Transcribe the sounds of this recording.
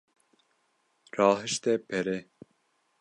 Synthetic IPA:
rɑːɦɨʃt̪ɛpʰɛɾɛ

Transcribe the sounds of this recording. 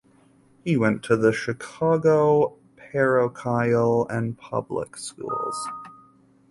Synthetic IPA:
hiwɛ̃ntʰɨðɨʃɨkʰɑɡoʊ | pʰɛɹoʊkʰaɪlˠɨ̃npʰʌ̰blɪ̰kskṵlˠz̥

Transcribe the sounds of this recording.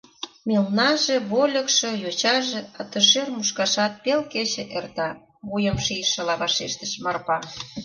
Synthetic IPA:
mʲelnɑʒeβolʲə̆kʃĕjot͡ɕɑʒĕɑt̪ə̆ʃermuʃkɑʃɑt̪̚pelket͡ɕĕʔert̪ɑ | βujəmʃijʃə̆lɑβɑʃeʃt̪ə̥ʃmɑrpɑ

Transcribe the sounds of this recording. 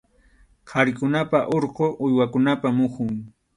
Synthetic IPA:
qʰɑɾɪkʊnapaʔoɾqoʔʊjwakʊnapamʊχʊŋ

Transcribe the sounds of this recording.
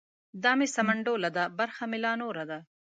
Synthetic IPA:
d̪ɑːmesamaɳɖoːlad̪abaɾxamɪlɑnoːɾad̪a

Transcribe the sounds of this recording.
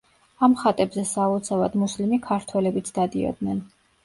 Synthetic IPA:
amχat̪ʼɛbzɛsaut̪sʰavad̪muslimikʰaɾt̪ʰwɛlɛbit̪sʰd̪ad̪iɔ̰d̪nɛn

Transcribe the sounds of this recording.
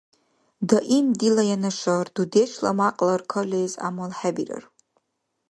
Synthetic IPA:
daʔimdilajanaʂardudet͡ʃʰla̰maqʼlarkʰolʲeza̰malħabira̰r

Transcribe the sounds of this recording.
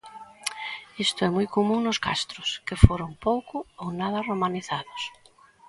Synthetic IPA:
ist̪ʊɛmujkomũŋnʊska̰st̪ɾʊskefoɾoŋpowkʊownað̞ɐromaniθaðʊs

